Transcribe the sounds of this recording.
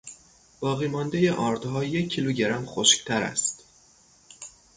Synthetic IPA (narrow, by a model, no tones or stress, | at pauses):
b̥ɒːɣiːmɒːnd̪e̞jeʔɒːɾd̪̥ɦɒːje̞cʰːiluɟeɾæmxoʃct̪ʰæɾæ̰st̪